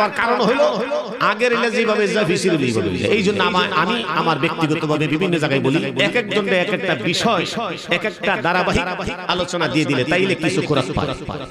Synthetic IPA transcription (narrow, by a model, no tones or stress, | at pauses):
waɾkaɾonɦojlo | aɡeɾelad͡ʑibʱabed͡ʑabiʃiɾilijbʱolo̰jlḛʔejd͡ʑonːoamaamiamaɾbek̚t̪iɡɔt̪obʱabebibʱinːod͡ʑaɡajboliɛkek̚d͡ʑonɖeɛkek̚ʈabiʃɔe | ɛkek̚ʈad̪aɾabaɦik̚ialot͡ɕonad̪ied̪ilet̪ajlekit͡ɕʰukoɾat̪pa̰ɾpa̰ɾ